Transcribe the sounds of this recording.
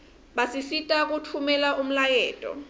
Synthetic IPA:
ɓasisitʼak̬utʰumɛlaʔum̩lajɛːtʼɔ̰

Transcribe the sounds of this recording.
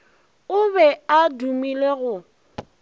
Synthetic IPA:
ʊβɛadumileɣʊ

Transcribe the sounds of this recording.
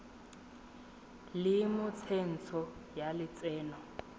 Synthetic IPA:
lɪmʊt͡sʰen̩t͡sʰɔjalɪt͡sɛːnɔ

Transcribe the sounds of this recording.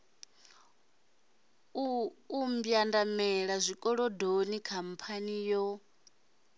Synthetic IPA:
umbjandamɛɺazʷikʼɔɺɔdonikʰam̩pʰanijɔ

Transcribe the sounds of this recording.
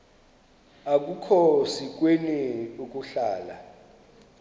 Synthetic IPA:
ak̬ʼukʰosik̬weniuk̬ʼuɬaːla̰

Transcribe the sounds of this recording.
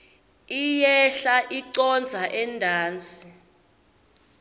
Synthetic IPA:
ijɛɬaʔiǀɔnd͡zʱaʔɛndʱaːnd͡zʱʼi

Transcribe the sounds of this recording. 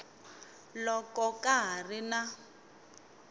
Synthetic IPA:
lɔkɔkaɦarina

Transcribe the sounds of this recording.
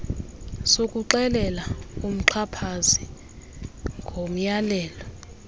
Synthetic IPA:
sokʼuǃɛlɛlaum̩ǃʰapʰazi | ŋɡʱom̩jalɛːlɔ

